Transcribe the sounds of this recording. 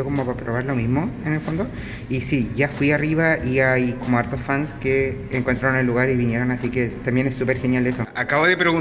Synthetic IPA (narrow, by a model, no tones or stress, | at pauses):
okomo̞papɾoβaɾlo̞mizmo̞enelfo̞nd̪o̞ | isiʝafwiariβaʔiajkomoaɾt̪osfanskeː | ŋkwont̪ɾaɾone̞lːuɣaɾiβinje̞ɾo̞nasike̞t̪ambje̞nesːupe̞ɾxe̞njalesoakaβoðepɾeɣu